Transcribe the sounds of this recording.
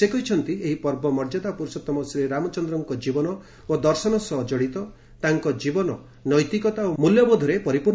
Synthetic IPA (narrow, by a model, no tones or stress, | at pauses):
sekɔɦit͡ʃʰɔnt̪ieɦipɔɾbɔmɔɾd͡ʒɔd̪apuɾsɔt̪ɔmɔsiɾeɾamɔt͡ʃɔnd̪ɾɔŋkɔd͡ʒibɔnɔ | od̪ɔɾsɔnɔsɔɦɔd͡ʒɔɽit̪ɔ | t̪aŋkɔd͡ʒibɔnɔ | nɔjt̪ikɔt̪aomuljɔbɔd̪ʱɔɾepɔɾipuɾ